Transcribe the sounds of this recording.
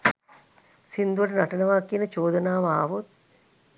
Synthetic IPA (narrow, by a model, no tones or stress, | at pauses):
sind̪uʋɐʈənaʈənəʋaːkiənət͡ʃoːd̪ənaːʋaːʋot̪̚